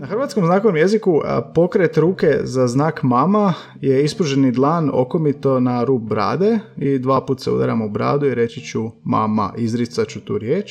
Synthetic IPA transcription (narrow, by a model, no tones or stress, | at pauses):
naxr̩ʋat̪skomznaːkoʋomje̞zikupo̞kɾet̪ɾuːke̞zaznaːkmama | je̞ispɾuʒenid̪lˠaːno̞̰komit̪o̞naɾuːp̚bɾa̰ːd̪eid̪ʋaːpuːt̪seṵd̪a̰ɾa̰moubɾa̰ːd̪uiɾe̞t͡ɕit͡ɕuma̰ːma̰ʔizɾit̪sat͡ɕut̪ṵːɾjeːt͡ʃ